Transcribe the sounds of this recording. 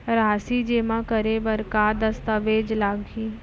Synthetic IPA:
ɾaːsid͡ʒeːmãkəɾebəɾkaːd̪ɐst̪əʋeːd͡ʒlaːɡkiː

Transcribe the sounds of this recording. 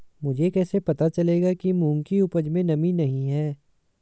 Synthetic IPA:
mʊd͡ʒʱekɛːsepɐt̪at͡ʃɐleːɡakimũːŋkiʊpəd͡ʒmẽnɐminɐɦĩɦɛː

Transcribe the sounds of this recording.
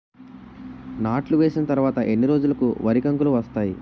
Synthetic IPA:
naːʈluʋeːsinɐt̪ɐɾuʋaːt̪ɐʔe̞nːiɾo̞ːd͡ʒulɐkuʋɐɾikɐŋkuluʋɐst̪aːjḭ

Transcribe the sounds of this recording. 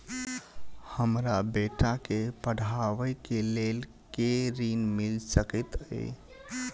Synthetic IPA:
həmɾabeʈakepəɽ̤ʱaʋəjkelel | keɾinmilsəkət̪ə̰ɪ

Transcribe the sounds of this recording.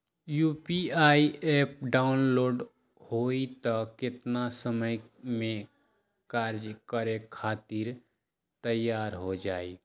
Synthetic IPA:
juːpiaːieːp̚ɖaːʊnloːɖ | hoːit̪ɔkɪt̪nasəməjmẽ | kaːɾd͡ʒkəɾekʰaːt̪iɾ | t̪əjːaːɾɦod͡ʒaːi

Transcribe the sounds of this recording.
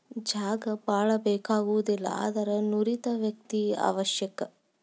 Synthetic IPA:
d͡ʒaːɡɐpaːɭɐbɛːkaːɡuʋud̪ilːɐ̰a̰ːd̪ɐɾɐnuɾit̪ɐʋjɐk̚t̪ia̰ːʋɐʃjɐkɐ

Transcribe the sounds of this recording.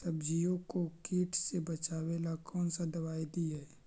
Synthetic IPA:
sɐbd͡ʒijõkokiːʈʰsebɐt͡ʃaːʋɛlakɔːnsad̪ɐβaːjd̪iɦɛː

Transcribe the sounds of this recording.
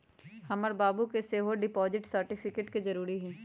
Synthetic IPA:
hɐməɾbaːbukeseːɦoɖɪpɔːzɪʈsɐɾʈɪfʰɪkeːʈkezɐɾuːɾiɦɛː

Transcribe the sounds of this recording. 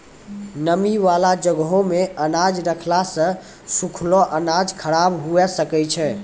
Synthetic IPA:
nəmiʋalad͡ʒəɡɦõmeənad͡ʒɾəkʰlasə̃ | sukʰlɔʔənad͡ʒkʰəɽabɦuɛsəkɛt͡ʃʰɛ

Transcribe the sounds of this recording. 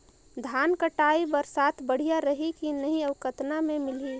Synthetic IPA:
d̪ʱaːnkəʈaːibəɾsaːt̪ʰbəɽ̤ijaɾəɦikinɐɦĩəʋkət̪namẽmɪli

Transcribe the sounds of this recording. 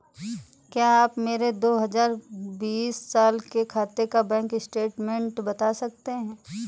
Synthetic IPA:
kjaːaːpmeːɾed̪oːɦɐzaːɾbiːsːaːlkekʰaːt̪ekabɛ̃ːkɪsʈeːʈmɛ̃ɳʈbɐt̪asɐk̚t̪eɦɛ̃ː

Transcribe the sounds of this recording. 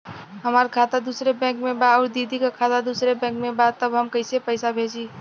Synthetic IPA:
ɦəmaɾkʰat̪ad̪usɾebɛ̃ŋkmebaɔːɾd̪id̪ʱikakʰat̪ad̪usɾebɛ̃ŋkmebad̪̚t̪əbɦəmkəɪsepəɪsabʱed͡ʒi

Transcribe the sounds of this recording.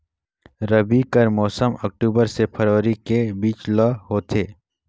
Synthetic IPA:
ɾɐbikəɾmɔːsəmɐk̚ʈuːbəɾsepʰəɾʋəɾikebiːt͡ʃlɔːɦoːt̪ʰeː

